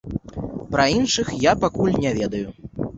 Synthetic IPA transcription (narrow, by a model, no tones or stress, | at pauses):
pɾɐinʂɨxjapakulʲnʲɛvʲɛd̪ɐju